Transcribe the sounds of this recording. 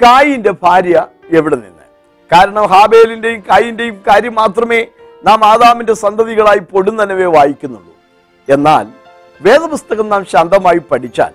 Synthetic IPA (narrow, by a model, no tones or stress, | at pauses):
kaːjinde̞bʱaːɾjɐ | e̞ʋiɽenḭnːɨ̰ | kaːɾɐɳɐmɦaːbe̞ːlinde̞jumkaːjinde̞jumkaːɾjɐmːaːt̪rɐme̞ː | naːmaːðaːminde̞sɐnd̪ʱɐʋiɣɐɭaːjipo̞ɽunːɐnɐʋeʋaːjikʲːunːṵɭːṵ | e̞nːa̰ːl | ʋe̞ːd̪ɐpust̪ɐɣɐmnaːmɕɐnd̪ɐmaːjipɐʈʰit͡ɕːa̰ːl